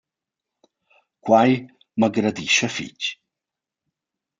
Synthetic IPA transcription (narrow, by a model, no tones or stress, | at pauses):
kwaj | məɡɾɐd̪iʃɐfḭt͡ʃ